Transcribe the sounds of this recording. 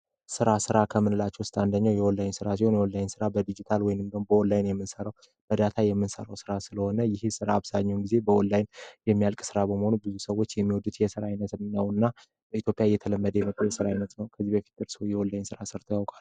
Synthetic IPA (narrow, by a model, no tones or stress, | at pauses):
sɨɾasɨɾakʰəmːɨnɨlat͡ʃːɛwʊst̪ʼand̪əɲːawjɛwɔlːajnsɨɾasiho̞njɛwɔlːajnsɨɾabəd̪id͡ʒit̪ʰalwɔjnɨmd̪əmbəwɔlːajnjɛmːɨnsəɾaw | bəd̪at̪ʰajɛmːɨnsə̰ɾawsɨɾasɨləho̞nəjɪhsɨɾaːβzaɲːɛwnɡize̞bəwɔlːajnjɛmːijalkʼsɨɾabəməho̞nubɨzusəwːo̞t͡ʃːjɛmːiwɔd̪ut̪jɛsɨɾajnət̪ɨnːawɨnːa | bəit̪ʰjo̞pʼjajːɛt̪ʰələmːəd̪əjɛmət̪ʼːəwjɛsɨɾajnət̪nəwkʰəzːibəfi̥t̪̚d̪ɨɾsɨojɛwɔlːajnsɨɾasɨɾt̪ʰəjawkʼal